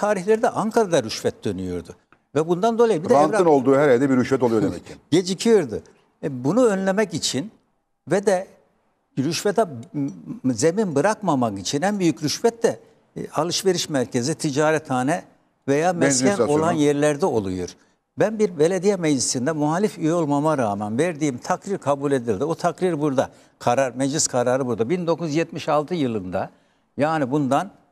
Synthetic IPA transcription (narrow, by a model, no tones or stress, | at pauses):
t̪ʰaːɾiçlʲeɾid̪ɛʔaŋkʰaɾad̪aɾyʃvɛt̪̚d̪ø̞nyjo̰ɾd̪ʊ | vɛbund̪and̪o̞lˠajibid̪ɛanɾɯnolˠd̪uːɦɛɾɛd̪ɛbiɾyʃvɛt̪̬olˠujod̪emɛɟed͡ʒicʰijoɾd̪ɯ | bunuø̞nlʲemɛcit͡ʃʰin | vɛd̪ɛ | ɾyʃvɛt̪ʰɛ | ze̞minbɯɾakmamakit͡ʃʰinhæmbyjycɾyʃvɛt̪d̪ɛ | alˠɯʃve̞ɾiʃmæɾcʰe̞zit̪ʰid͡ʒaːɾɛt̪ʰaːnɛ | vejaːmɛscʰæno̞lˠanjɛɾlʲæɾd̪ɛo̞lˠṵjṵɾ̥ | bænbiɾbe̞lʲed̪ijɛmɛd͡ʒlisind̪ɛmuɦalʲifyjo̞lˠmamaɾaːmænvɛɾd̪iːmt̪ʰakɾiɾkʰabulʲe̞d̪ilʲd̪iot̪ʰakɾiɾbuɾd̪a | kʰaɾaɾmɛd͡ʒlʲiskʰaɾaːɾɯbuɾd̪abind̪o̞kuzjɛt̪miʃalˠt̪ʰɯjɯlˠɯnd̪a | jaːnibund̪an